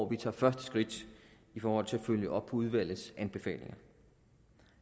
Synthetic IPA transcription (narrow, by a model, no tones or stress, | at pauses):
ʋit͡sʰɑ̰̈ːfɶɐsd̥əsɡ̥ʁid̥ | ifɒːhɒ̽l̰t͡sʰe̝æføljəʔɒ̽b̥ʰɒ̽uð̞ˠʋæl̰ð̩ˠsʔænb̥e̝fɛ̰ːle̝ŋɐ